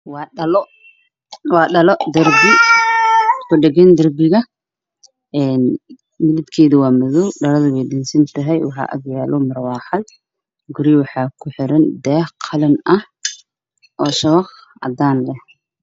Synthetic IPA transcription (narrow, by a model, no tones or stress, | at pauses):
wɑːɗɐlɔ | wɑːɖɐlɔd̪ɐrbɪ | kʰʊɖɛɣɛnd̪ɐrbɪɣɐ | ɛːn | mɪlɪd̪kʰɛːðɐwɑːmɔðɔwɖɐɾɐðɐβɛjɗɪnsɐnt̪ʰɐɦɛjwɑħɑ̰ːʔɐ̰ɡjaːlɔmɐrwɑːħɑd̪̚ | ɡʊɾɪwɑħɑːkʰʊħɪɾɐnd̪ɛːhqʰɑlɐnɐh | ʔɔːʃɐβɑq | ʔɐ̰d̪aːnlɛh